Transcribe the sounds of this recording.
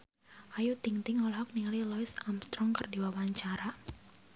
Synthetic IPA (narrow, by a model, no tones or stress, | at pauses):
ʔajut̪iŋt̪ɪŋɔlɦɔk̚nililɔisamst̪ɾɔŋkərdiwawaɲt͡ʃaɾa